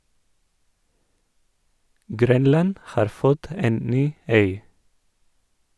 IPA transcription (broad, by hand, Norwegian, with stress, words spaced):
ˈɡɾœnlɑn ˈhɑːɾ ˈfɔt ˈeːn ˈnyː ˈœʏ